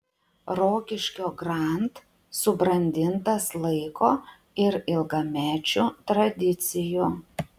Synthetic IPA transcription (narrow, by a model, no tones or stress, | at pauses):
ɾoːkʲɪʃʲkʲoːɡɾɑˑnt̪ | sʊbɾɐnʲd̪ʲɪnt̪ɐslˠɐɪkoː | ɪɾɪlˠɡɐmʲæːt͡ʃʲuːt̪ɾɐd̪ʲɪt̪sʲɪju